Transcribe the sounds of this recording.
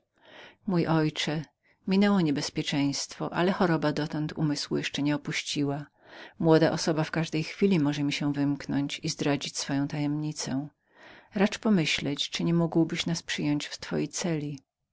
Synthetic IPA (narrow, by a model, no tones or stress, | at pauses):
mujʔɔjt͡ʂɛ | mʲinɛwɔɲɛbɛspʲjɛt͡ʂɛ̃j̃st̪fɔ̰ʔa̰lɛxɔɾɔbad̪ɔt̪ɔnt̪ʰṵmɘswujɛʂt͡ʂɛɲɛɔpuɕt͡ɕiwa | mwɔd̪aʔɔsɔbafkaʐd̪ɛjxfʲilʲimɔʐɛmʲiɕɛvɘmknɔɲt͡ɕizd̪ɾad͡ʑit͡ɕʲsfɔjɔ̃w̃t̪ajɛmɲit̪sɛ | ɾat͡ʂpɔmɘɕlɛt͡ɕt͡ʂɨɲɛmuɡwbɘɕnaspʂɘjɔɲt͡ɕft̪fɔ̰jejt̪sɛlʲi